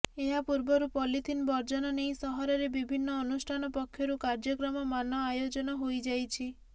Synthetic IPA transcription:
eɦapuɾbɔɾupɔlit̪ʰinbɔɾd͡ʒɔnɔnejsɔɦɔɾɔɾebibʱinːɔːnusʈʰanɔpɔkʰːjɔɾukaɾd͡ʒɔkɾɔmɔmanɔajod͡ʒɔnɔɦojd͡ʒajt͡ʃʰi

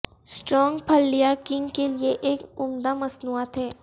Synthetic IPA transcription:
sʈɾɔːŋɡpʰɐlːijakɪ̃ŋɡkelieʔeːkʊmd̪amɐsnuːat̪ɦɛː

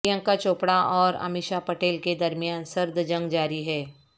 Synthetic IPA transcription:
jə̃ŋkat͡ʃoːpɽaʔɔːɾɐ̰mɪʃapɐʈeːlked̪ɐɾmijaːnsɐɾd̪ʱd͡ʒɐ̃ŋɡd͡ʒaːɾiɦɛː

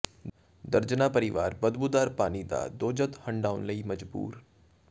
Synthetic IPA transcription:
d̪əɾd͡ʒnaːpəɾɪʋaːɾbəd̪bud̪aːɾpaːnid̪a̰ːd̪oːd͡ʒət̪hə̃ɳɖaːʊnləiːmɐd͡ʒbṵːɾ

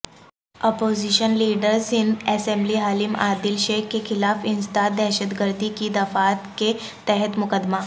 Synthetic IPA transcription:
ɔpoziɕənliɖəɾsind̪ɛsembliːɦaːlima̰d̪ilɕekkexʰɪlafinst̪at̪̚d̪ɛɦɕəd̪ɡəɾd̪ikiːd̪ɐfat̪ke | t̪ɛɦət̪mʊkəd̪ma

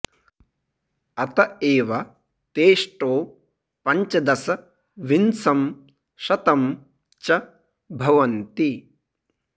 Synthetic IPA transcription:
ɐt̪ɐeːʋɐ | t̪eːʂʈoː | pɐɲt͡ʃɐd̪ɐsɐ | ʋinsɐm | ʃɐt̪ɐm | t͡ʃɐ | bʱɐʋɐnt̪i

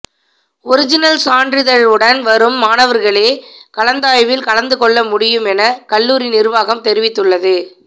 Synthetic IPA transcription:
ɔɾɪd͡ʒɪnɐlsaːɳdrɪðɐɭɯɽɐnʋɐɾɯmːaːnɐʋɐɾɣɐɭeːkɐlɐnd̪aːjʋɪlkɐɻɐnd̪ɯkɔɭːɐmʊɽɪjɯmɛnɐkɐɭːuːɾɪnɪɾɯʋaːɣɐmt̪ɛɾɪʋɪt̪ːɯɭːɐðɯ

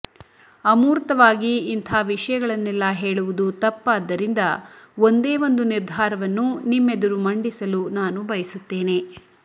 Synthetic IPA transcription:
ɐmuːɾt̪ɐʋaːɡiːnt̪ʰaːʋiʂɐjɐɡɐɭɐnːɛlːɐɦe̞ːɭuʋud̪ut̪ɐpːaːd̪ːɐɾind̪ɐo̞nd̪eːʋo̞nd̪uniɾd̪ʱaːɾɐʋɐnːunimːed̪ɐɾumɐɳɖisɐlunaːnubɐjɐsut̪ːe̞ːne̞

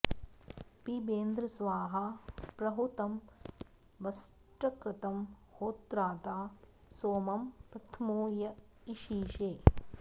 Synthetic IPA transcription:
pibeːnd̪ɾɐsʋaːɦɐpɾɐɦut̪ɐm | ʋɐs | ʈɐkɾɪt̪ɐmhoːt̪ɾaːt̪aː | soːmɐmpɾɐt̪ʰmoːjɐiʃiːʃeː

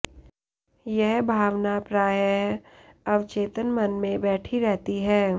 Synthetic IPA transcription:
jɛɦbʱaːʋnapɾaːjəɦɐʋt͡ʃeːt̪ənmɐnmẽbɛːʈʰiɾɛɦt̪iɦɛː

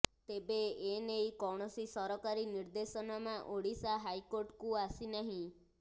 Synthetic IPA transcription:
t̪ebeenejkɔɽ̃ɔsisɔɾɔkaɾiniɾd̪esɔnɔmãʔoɽisaɦajkoɾʈkuasinaɦĩ

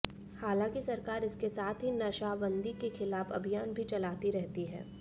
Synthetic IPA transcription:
haːlãːkisɐɾkaːɾɪskesaːt̪ʰɦinɐʃaːʋə̃nd̪ikexɪlaːfɐbʱijaːnbʱit͡ʃɐlaːt̪iɾɛɦt̪iɦɛ̰ː

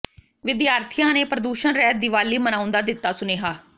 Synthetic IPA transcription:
ʋɪd̪jaːɾt̪ʰɪjãːneːpɾəd̪uːʃənɾɛːd̪ɪʋaːliːmənãːʊ̃nd̪aːd̪ɪt̪ːaːsʊneːɦaː

